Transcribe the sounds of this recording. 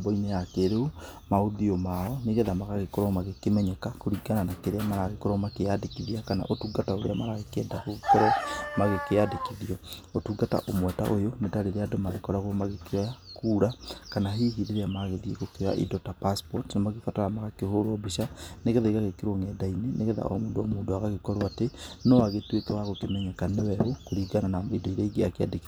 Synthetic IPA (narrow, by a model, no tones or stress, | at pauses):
bɔinejakeɾeumaoðiɔmaɔneɣɛðamaɣaɣekɔɾɔmaɣekemɛɲɛkakoɾiɡananakeɾeamaɾaɣekɔɾɔmakeadekiðiakana̰ʔotuːɡataoɾḛamaɾaɣekɛːdakoɣekɔɾɔmaɣekeadekiðiɔotuːɡata̰ʔomwɛta̰ʔojonetaɾeɾeadomaɣekɔɾaɣoɔmaɣekeakuːɾakanaɦiːɦiɾeɾeamaɣeðiekokea̰ʔḭdɔtapaspɔtnamaɣefataɾamaɣakehoɾwɔbiʃaneɣeðaiɣaɣekeɾoŋɛːdainenʔeɣɛða̰ɔ̰moːndoamoːndoaɣaɣekɔɾwatenɔaɣetwekɛwaɣokemɛɲakanewɛɣokoɾiːɡananaidɔiɾaiɡeakea̰deki